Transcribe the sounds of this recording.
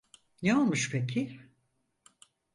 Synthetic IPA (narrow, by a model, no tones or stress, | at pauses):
nɛolˠmuʃpʰec̬ʰi